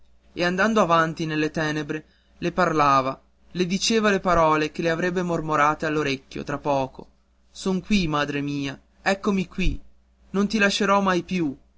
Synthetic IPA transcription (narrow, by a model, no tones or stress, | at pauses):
eand̪and̪oavant̪inelːet̪ɛːnebɾe | leparlaːva | led̪it͡ʃeːvalepaɾɔːlek̟eleavɾɛbːemormoɾaːt̪ealːoɾekʲːjo̰t̪ɾapːɔːko̰ | soŋkwimaːd̪ɾemiːa | ɛkːomikwi | nont̪ilaʃːeɾɔmajpju